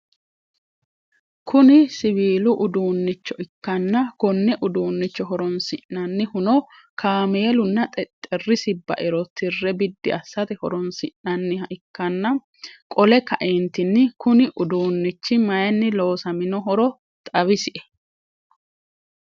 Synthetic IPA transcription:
kʰʊnɪsɪβiːlʊʔʊd̪uːnːɪt͡ʃːɔʔɪkːɐnːɐkɔnːɛʔʊd̪uːnːɪt͡ʃːɔɦɔɾɔnsɪʔnɐnːɪhʊnɔ | kʰaːmeːlʊnːɐt̪ʼɛt̪ʼːɛrːɪsɪbɐ̰ʔɪɾɔt̪ɪrːɛbɪd̪ːɪ̰ɐsːɐt̪ɛhɔɾɔnsɪʔnɐnːɪhɐʔɪkːɐnːɐ | kʼɔlɛkɐʔent̪ɪnːɪkʊnɪʔʊd̪uːnːɪt͡ʃːɪmɐjɐnːɪlo̞ːsɐmɪnɔɦɔɾɔ | t̪ʼɐβɪsɪʔɛ̥

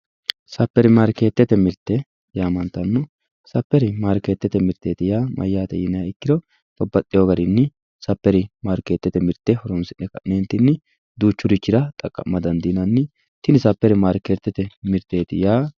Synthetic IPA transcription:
sɐpːɛɾɪmaːɾke̞ːt̪ːɛt̪ɛmɪɾt̪ːɛ | jaːmɐnt̪ːɐnːɔ | sɐpːɛɾɪmaːɾke̞ːt̪ːɛt̪ːɛmɪɾt̪ːeːt̪ɪjaːmʔɐ̰jːaːt̪ɛ̰jɪnːɐjaːɪkːɪd̪ɔ | tɔbːɐt̪ʼːɪjoɡɐɾɪnːɪ | sɐpːɛɾɪmaːɾke̞ːt̪ːɛt̪ɛmɪɾt̪ːɛhɔɾɔmsɪnːɛkɐ̰neːnt̪ːɪnːɪ | d̪uːt͡ʃːʊɾɪt͡ʃːɪɾɐt̪ʼɐkʼːɐ̰mːɐd̪ɐnd̪iːnɐnːɪ | t̪ɪnɪsɐpːɛɾɪmaːɾkeːt̪ːɛt̪ɛmɪɾt̪ːe̞ːt̪ɪ̰jaː

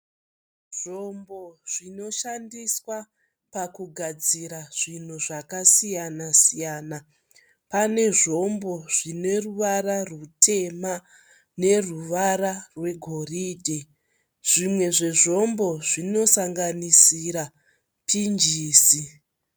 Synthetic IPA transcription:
ʐ̥o̞mbo̞ʐ̥ino̞ʃandiswa | pakuɡʱad͡ziɾaʐ̥in̤uʐakasijanasijaːna | pane̞ʐo̞mbo̞ʐine̞ruʋararutʰe̞ma | ne̞ruʋaɾarwe̞ɡʱo̞riːdʱe | ʐ̥imwe̞ʐe̞ʐo̞mbo̞ʐino̞saŋɡanisiɾa | pʰind͡ʒiːsi

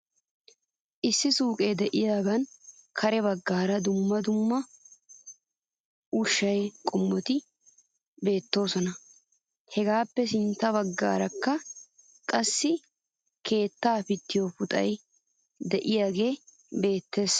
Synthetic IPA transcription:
ʔɪsːɪsuːkʼeːd̪ɛʔɪjaːɡɐnkʰɐɾɛbɐɡːaːɾɐd̪ʊmːɐd̪ʊmːɐ | ʔʊʃːɐjkʼʊmːɔt̪ɪ | be̞ːt̪ːo̞ːsɔnɐ | hɛɡaːpːɛsɪnt̪ːɐβɐɡːa̰ːɾɐkːɐ | kʼɐsːɪ | kʰe̞ːt̪ːaːfɪt̪ːɪjofʊt̪ʼɐ̰j | d̪ɛʔɪjaːɡe̞ː | be̞ːt̪ːe̞ːs

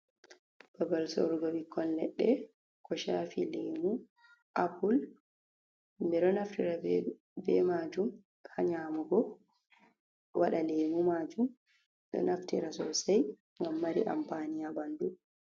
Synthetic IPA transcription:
b̥abalsɔ̰ɾuɡɔwikʰːɔnːɛ̰ɗːɛ | kʰɔʃaːfileːmu | ʔapul | mɛɗɔnaftiɾa | bɛmad͡ʒum | haɲaːmuɡɔ | waɗaleːmumad͡ʒum | ɗɔ̰naftiɾasɔsaj | ŋɡamːaɾḭʔa̰mpanijabandu

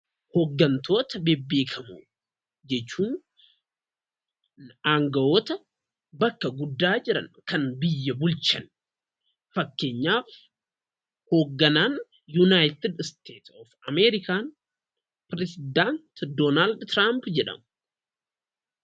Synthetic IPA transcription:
hoːɡːɐnt̪ʰo̞ːt̪ɐbebːe̞ːkʰɐmu | d͡ʒɛt͡ʃːuːn | aːŋɡɐwo̞ːt̪ɐ | bɐkːɐɡʊd̪ːaːd͡ʒɪɾɐ̰nkɐnbɪjːɐbʊlt͡ʃɐn | fɐkːe̞ːɲːaːf | ho̞ːɡːɐnaːn | junaːjt̪ɪd̪st̪ʰeːt̪ɔfɐmeːɾɪkaːn | pɾɛsɪd̪ant̪d̪oːnaːld̪t̪ɾampd͡ʒɛᶑɐ̰mʊ

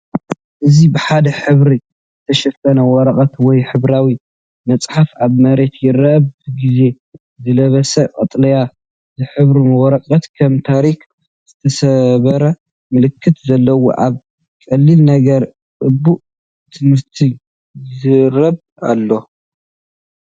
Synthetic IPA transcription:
ʔɨzibɨħad̪ɐħɨβɾi | zɨt̪ʰɐʃɐsɐnɐwɔɾɐkʼɐt̪wɔjħɨβɾawi | mɐt͡sʼħafaβmɐɾe̞t̪jɪɾɐbɡize̞ | zɨlɐβɐsɐqʼɐt̪ʼlɐja | zɨħɨβɾimɐwɔɾɐqʼɐt̪kʰɐmt̪ʰaɾik | z̥ɨt̪ʰɐsɐβɐɾɐ | mɨlɨkʰːɨt̪zɐlːɐwo̰ʔa̰β | kʼɐlːilnɐɡɐɾ | ʔʼɨbːuʔ | t̪ʰɨmɨɾt̪ʰi | zɨɾɐb | a̰lːo̞

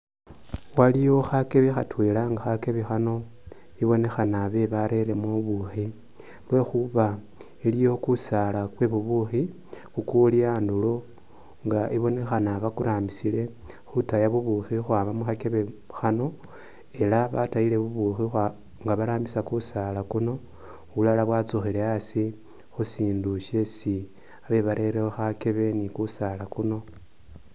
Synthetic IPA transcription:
walijo̞xakeβexatwelaŋɡaxake̞βexano̞ | iβo̞ne̞xanaβe̞βaɾe̞ɾe̞muβuxi | lwe̞xuβa | ilijo̞kusalakwe̞βuβuxi | xukuliaːndulo̞ | ŋɡaʔiβo̞ne̞xanaβakuɾʔaːmbisile̞ | xutajaβuβuxixwaːβamuxake̞βe̞xano̞ | e̞laβataile̞βuβuxixa | ŋɡaβaɾaːmbisakusalakuno̞ | βulalaβwat͡suxile̞asi | xusiːnduʃe̞si | aβe̞βaɾʔe̞ɾeoxake̞βe̞nikusalakuno̞

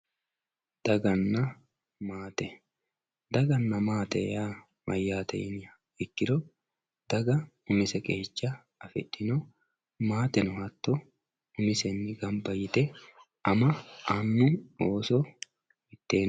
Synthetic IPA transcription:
d̪̥ɐɡɐnːɐ | maːt̪ɛ | d̪ɐɡɐnːɐmaːt̪ɛ̰jaː | mɐjːaːt̪ɛ̰ɪnɐ | ɪkːɪd̪ɔ | d̪̥ɐɡɐ | ʊmɪsɛkʼeːt͡ʃːɐ | ɐfɛ̰ᶑːɪnɔ | maːt̪ɛnʊhɐt̪ːɔ | ʊmɪsɛnːɪɡɐmbɐjɪt̪ɛ | ʔɐmɐanːʊoːsɔ | mɪt̪ːe̞ːn

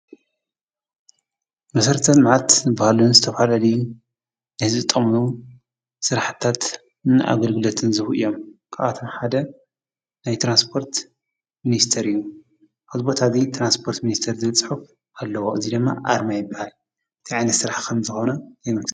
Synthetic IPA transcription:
mɐsɐɾt̪ʰɐlmʕat̪zɨbːahalunzɨt̪ʰɐfalaluju | nɨhɨzɨt̪ʼːɐmnu | sɨɾaħɨt̪ʰat̪ | nɨʔa̰ɡɐlɡɨlot̪ʰɨnzɨxʔḭjo̞mkʰaʔat̪ʰo̞mħad̪ɐ | najt̪ʰɾanspʰo̞ɾt̪ | minist̪ʰɐɾɨjːu | ʔazbot̪ʰazit̪ʰɾanspʰo̞ɾt̪minist̪ʰɐɾzɨβt͡sʼɨħuf | ʔalːɐwoʔɨzid̪ɨmːa̰ʔaɾmajɨbːahal | ʔɨt̪ʰiʕajnɐt̪sɨɾaħkʰɐmzɨxo̞nɐnajmɐk

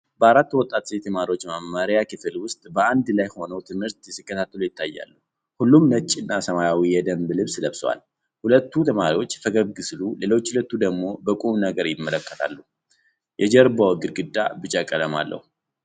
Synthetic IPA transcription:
bəaɾat̪ːwɔt̪ʼːat̪ʼset̪ʰəmaɾiwo̞t͡ʃːmamːaɾijakʰɨfɨlwʊst̪ʼbəand̪lajho̞nəwt̪ʰɨmhɨɾt̪jsikːət̪ʰat̪ːəlujɪt̪ʰːajːa̰lːu | hulːumnət͡ʃʼːɪnːasəmajawijɛd̪əmblɨβsləβswa̰l | hulət̪ːut̪ʰəmaɾiwo̞t͡ʃːfəɡəβɡɨslule̞lo̞t͡ʃːlət̪ːud̪əɡmo̞bəkʼumnəɡəɾjɪmːələkːə̥t̪ʰa̰lːu | jʔɛd͡ʒɛɾbawɡɨd̪ɡɨd̪ːabɨt͡ʃʼakʼələma̰lːʔə̰hu

